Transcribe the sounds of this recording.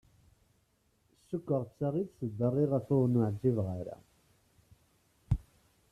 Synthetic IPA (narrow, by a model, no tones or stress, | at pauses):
sːʊkːəʁt͡sːaʁidθəd̪ːərˤːiʁæfʊnʊʕd͡ʒːivʁaɾa̰